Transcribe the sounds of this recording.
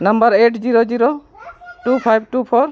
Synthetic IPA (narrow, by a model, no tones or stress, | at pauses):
nɐmbəɾeʈd͡ʒiɾod͡ʒiɾo | ʈupʰajb̚ʈupʰɔɾ